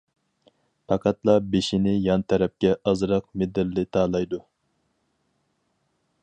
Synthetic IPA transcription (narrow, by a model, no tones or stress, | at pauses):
pʰɑqʰɑt̪lˠɑbeʃinɪjɑnt̪ʰɛɾɛp̚kʲɛʔɑzɾɑq̚med̪ɪlːɪt̪ʰɑːlˠɑjd̪u